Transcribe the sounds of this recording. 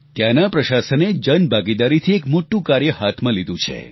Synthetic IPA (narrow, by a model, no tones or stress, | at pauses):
t̪janapɾəʃasəned͡ʒənbʱaɡid̪aɾit̪ʰiekmoʈːũkaɾjəɦat̪ʰmãlid̪ũt͡ʃʰḛ